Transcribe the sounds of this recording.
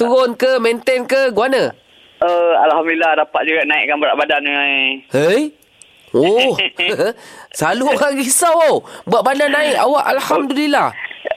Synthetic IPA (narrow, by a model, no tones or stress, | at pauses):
t̪uɾonkəmɛnt̪ɛnkəɡuanə | əalhamduilahdapat̪̚d͡ʒuɡaʔnãḭʔkanbəɾaʔbadan | əj | oh | saluoɾaŋɡisawobuaʔbadanːaɪʔawaʔalhamdulilah